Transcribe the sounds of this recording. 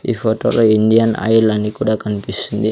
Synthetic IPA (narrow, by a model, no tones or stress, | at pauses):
ḭfɔt̪ɔ̰loindiana̰ilanikudakanpisəndi